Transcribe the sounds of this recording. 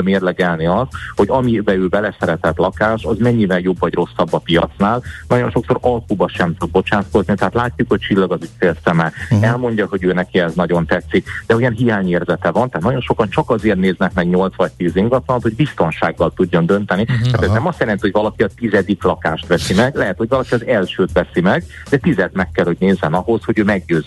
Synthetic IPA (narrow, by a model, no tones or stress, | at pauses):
meːrlɛɡɛlniɒst̪ho̞ɟɒmibɛøːbɛlɛsɛɾɛt̪ɛt̪lɒkaːʃɒzmɛɲːivɛljo̞bːɒɟro̞sːɒbːɒpijɒt̪snaːlnɒɟo̞nʃo̞kso̞ɾɒlkuːbɒʃɛmt̪ud̪̚bo̞t͡ʃaːt̪ko̞znit̪ɛɦat̪laːcːukho̞c̚t͡ʃilːɒɡɒzucfeːlsɛmɛɛlmo̞ɲɟɒɦo̞ɟøːnɛkiɛznɒɟo̞nt̪ɛt̪sːikd̪ɛujɛnɦijaːɲeːrzɛt̪ɛvɒnt̪ɛɦːt̪nɒɟo̞nʃo̞kɒnt͡ʃɒkɒzeːrt̪neːznɛkmɛɡɲo̞lt̪sʋɒc̚t̪iːziŋɡɒt̪lɒnt̪hoɟbist̪o̞nʃaːɡːɒlt̪uɟːond̪ø̞nt̪ɛniaːt̪ɛznɛmɒst̪jɛɾɛnt̪iho̞jʲvɒlɒkiɒt̪izɛd̪iklɒkaːʃt̪ʋɛsimɛɡlɛɦɛt̪ho̞ɟvɒlɒkiɒzɛlʃøːt̪ʋɛsimɛɡ | d̪ɛt̪izɛd̪mɛkːɛlho̞ɟneːzːɛnɒɦo̞sho̞ɟøːmɛɡjøːz